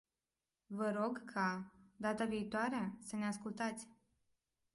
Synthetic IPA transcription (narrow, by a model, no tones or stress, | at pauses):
vəɾo̞ɡkʰad̪at̪aviːt̪oaɾeasəneaskult̪at̪sʲ